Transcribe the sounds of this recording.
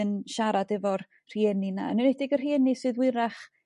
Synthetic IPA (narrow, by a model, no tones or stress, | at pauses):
ənʃaɾadɛvɔr | r̥iɛnina̰nɨnɛdɪɡər̥iɛnisɨːðwɪɾaχ